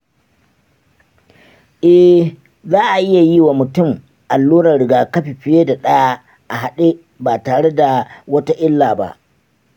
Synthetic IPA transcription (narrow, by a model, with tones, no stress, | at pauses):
ʔɛ˦h | zaː˦ʔa˨ʔɪ˦ja˨ji˦waː˨mʊ˨tʊ˦˨m | ʔa˨lːuː˦ɾɐ˨ɽɪ˨ɡaː˨kɐ˦ɸi˨ɸɪ˦jeː˦da˨ɗɐ˦ja˦ | ʔa˨ɦa˨ɗe˦ | baː˨taː˨ɽe˦da˨wɐ˦ta˦ʔɪ˦lːaː˨ba̰˦ʔ